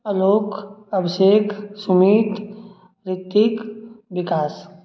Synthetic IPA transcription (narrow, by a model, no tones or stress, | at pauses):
əloːkɐbseːkʰsʊmiːt̪ | ɾɪt̪ːikʋɪkaːs